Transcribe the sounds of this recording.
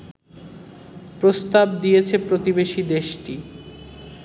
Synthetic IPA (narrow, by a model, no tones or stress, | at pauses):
pɾost̪abd̪ijet͡ɕʰepɾot̪ibeʃid̪eʃʈi